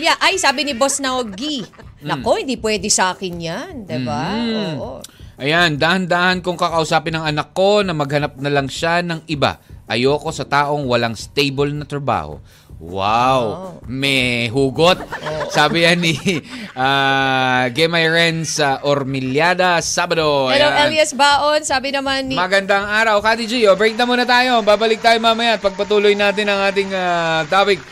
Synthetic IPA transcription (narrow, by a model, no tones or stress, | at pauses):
jaʔajsaːbɪnɪbosnaoɡiɐko̞hɪ̃nd̪iːpwɛːd̪ɪsaːkɪnjand̪ɛbaʔoʔɐjand̪aːhɐnd̪aːhɐnkoŋkɐkɐʔʊsaːpɪnɐŋɐnɐkːo̞nɐmɐɡ̚hɐnap̚nɐlɐŋʃanɐŋʔɪba̰ʔɐjoːko̞sɐt̪aːʔo̞ŋwɐlaŋst̪ejbolnɐt̪ɾɐba̰ːho̰ | wa̰wmɛɦuːɡot̪̚saːbɪjanɪʔa | ɡɛmajɹɛnsɐʔoɾmɪljaːd̪ɐsaːbɐd̪oɐlowɛlɛsbaːʔonsaːbɪnɐmanːmɐɡɐnd̪aŋʔaːɾɐwkat̪id͡ʒijobɾɛk̚nɐmuːnɐt̪aːjo̞baːbɐlɪk̚t̪aːjomamɐjat̪̚pɐɡ̚pɐt̪uːlojnaːt̪ɪnɐŋʔaːt̪ɪŋat̪aːpɪk̚